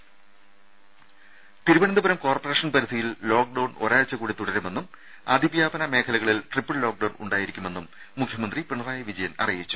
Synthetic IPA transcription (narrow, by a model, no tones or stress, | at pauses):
t̪iɾuʋɐɳɐnd̪ubɐɾɐmko̞ːrpːɐre̞ːʂɐnpɐɾid̪ʱijilːo̞ːk̚ɖɐwɳo̞̰ɾaːɻt͡ɕːɐkuːɽit̪uɽɐɾume̞nːum | a̰ːd̪ʱibjaːbɐnɐme̞ːkʰɐlɐɣɐɭilʈripːɨɭlo̞ːk̚ɖɐwnṵɳɖaːjiɾikʲːume̞nːumː | ukʰjɐmɐnd̪ripiɳɐraːjɐʋid͡ʑɐjɐnɐ̰rijit͡ɕːu̥